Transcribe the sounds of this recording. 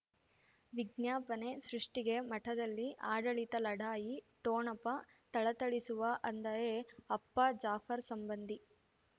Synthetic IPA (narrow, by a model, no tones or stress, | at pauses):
ʋiɡnjaːpɐne̞sɾuʂʈiɡe̞mɐʈʰɐd̪ɐlːiʔaːɖɐɭit̪ɐlɐɽaːjiʈoːnɐpɐ | t̪ɐɭɐt̪ɐɭisuʋɐʔɐnd̪ɐɾe̞ɐpːɐd͡ʒaːfɐɾsɐmbɐnd̪i